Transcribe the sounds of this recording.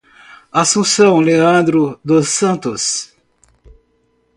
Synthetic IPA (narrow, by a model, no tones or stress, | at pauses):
asũsɐ̃w̃leɐ̃nd̪ɾʊd̪osːɐ̃nt̪ʊs